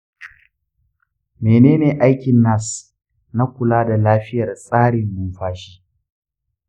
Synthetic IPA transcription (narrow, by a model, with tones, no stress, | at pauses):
meː˨neː˦neː˨ʔa˦jkʲɪ˨nːa˦s | na˦kʷʊ˨laː˦da˨laː˦ɸɪ˦jɐ˨rsʼaː˦ɽɪ˨mːʊ˦mɸaː˦ʃiː˦